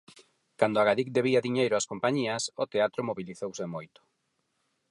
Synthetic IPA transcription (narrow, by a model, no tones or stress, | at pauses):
kand̪ʊaɣaðikd̪eβiɐðiɲejɾʊaskompaɲiɐsot̪eat̪ɾomoβiliθowsɪmojt̪ʊ̥